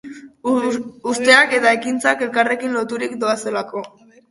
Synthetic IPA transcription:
ust̪e̞ake̞t̪ae̞kint͡sake̞lkare̞kinlo̞t̪uɾikd̪o̞ase̞lako̞

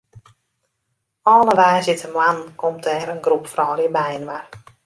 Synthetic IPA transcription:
ʔɔːləʋaːzɪtʰəmwankomtɛɾənɡrupfrɔːlibajənʋar

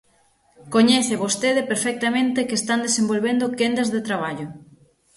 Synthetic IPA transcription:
koɲɛθɪβost̪eðepeɾfɛk̚t̪amẽnt̪ekeːst̪and̪esẽmbolβend̪okend̪ɐzðet̪ɾaβ̞aʎʊ

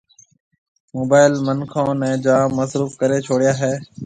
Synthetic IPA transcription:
moːbaːɪlmənkʰõːnɛ̃ːd͡ʒaːmːəsɾuːfkəɾeːt͡ʃʰoːɽɪjaːɦɛː

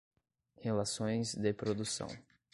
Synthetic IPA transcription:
helasõj̃zd̪ɪpɾod̪usɐ̰̃w̃

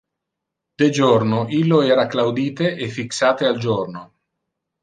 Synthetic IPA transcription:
d̪̥ed͡ʒornoʔilːoɛːɾaklawd̪iːt̪eʔefːiksaːt̪eald͡ʒorno

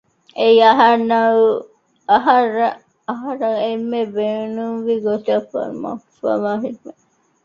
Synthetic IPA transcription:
eiɐɦɐɾnɐu | ɐɦɐrːɐ | ɐɦɐɾɐemːebeːnumʋiɡot̪iɐfɐ̰ma̰fɐ̰maɦinːe

